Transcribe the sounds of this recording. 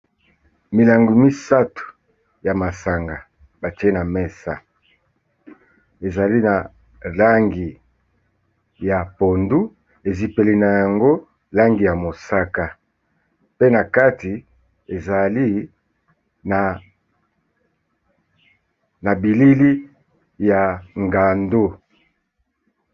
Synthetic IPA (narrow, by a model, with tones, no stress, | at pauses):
mi˨la˨ŋɡu˨mi˦sa˦tu̥˨ | ja˨ma˨sa˨ŋɡa˨ | ba˨t͡ʃi˦e˦na˨mɛ˦sa̰˨ | e˨za˨li˦na˨ | la˦ŋɡi˨ | ja˨po˨ndu˦ | e˨zi˨pe˨li˨na˨ja˨ŋɡo˦ | la˦ŋɡi˨ja˨mo˨sa˦ka˦ | pe˦na˨ka˦ti˨ | e˨za˨li˦ | na˨ | na˨bi˨li˦li˦ | ja˨ŋɡa˨ndo˦